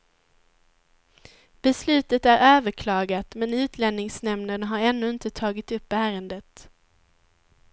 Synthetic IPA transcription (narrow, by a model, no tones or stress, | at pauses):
b̥ɛslʉ̟ːt̪ət̪æɾøːvəɾkʰlɑːɡat̪mɛnʉ̟ːt̪ʰlɛnːɪŋsnɛmnəɳɦaɾɛnːʉːɪnt̪ət̪ʰɑːɡɪt̪ɵpːæːɾənd̪ət̪